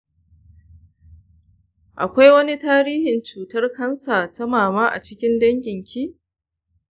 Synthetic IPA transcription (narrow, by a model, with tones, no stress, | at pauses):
ʔa̰˨kʷa˦jwɐ˦ni˦taː˦ɾiː˦hɪ˨nt͡ʃuː˨tɐ˦rkɐ˦nsa˨ta˦maː˨maː˦ʔa̰˨t͡ʃɪ˦kʲɪ˦ndɐ˦ŋɡʲɪ˨ŋkʲʰiː˦